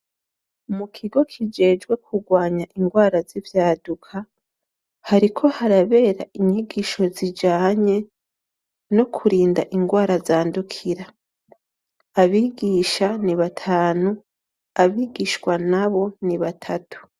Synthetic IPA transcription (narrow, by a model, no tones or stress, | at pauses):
mukʰiɡo̞kʰid͡ʒe̞ːd͡ʒɡwe̞kʰuɡwaːɲaʔiŋɡwaːɾazivjaːdukʰa | haɾikʰo̞haɾaβe̞ːɾaʔiɲiɡiʃo̞zid͡ʒaːɲe̞ | nokʰuɾiːnda̰ʔiŋɡwaːɾazaːndukʰiɾa | βiːɡiʃaniβatʰaːnu | aβiːɡiʃkwanaβo̞niβatʰatu̥